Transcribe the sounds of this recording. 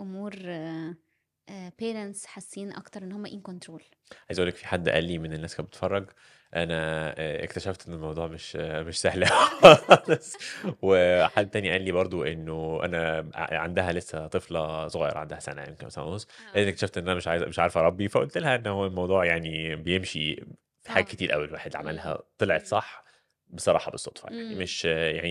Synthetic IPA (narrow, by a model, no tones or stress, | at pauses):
ʔʊmuːɾ | peːɾensħasːiːnʔɑ̰kt̪ɑɾˤʔenːhomːæʔiːnkont̪ɾoːl | ʕajezæʔulːekfiħad̪ːʔæ̰lːimenenːæːskæbe̥t̪fɑrˤːɑɡ | ʔænæḛkt̪æʃæft̪ʔenːelmɑwd̪ˤuːʕmeʃmeʃsæhlæ | sweħad̪æt̪æːniʔæːlːibɑɾˤd̪ˤoʔenːoʔæ̰næʕand̪æɦælesːæt̪ˤeflɑsˤoɣɑːjḛɾˤʔɑʕand̪æhæsæ̰næ̰jemkenmæsælænosˤ | læʔnːekt̪æʃæft̪ʔenːʔænæmeʃʕajzmeʃʕaɾˤfɾˤɑbːifæʔo̰lt̪elhæʔenːhowːælmɑwd̪ˤuːʕjaʕnibejemʃḭ | fi̥ħaːɡæket̪iːɾʔæ̰wːælwaːħed̪ʕa̰mælɦæ̰t̪ˤelʕet̪sˤɑħ | besˤɑɾˤɑ̰ːħɑbesˤːot̪ˤfɑ̰ja̰ʕnimeʃja̰ʕni